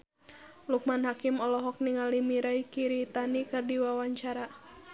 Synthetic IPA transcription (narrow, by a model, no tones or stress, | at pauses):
luk̚manɦakimɔlɔɦɔk̚niŋalimiɾaikiɾit̪anikɨrdiwawaɲt͡ʃaɾa